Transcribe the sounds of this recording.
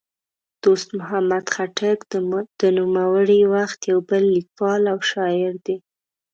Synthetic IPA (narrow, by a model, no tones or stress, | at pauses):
d̪̥ost̪mʊɦamad̪xaʈakd̪̥ənumawəɽiwaxt̪jawbəlːikwɑlawʃɑjɪɾd̪e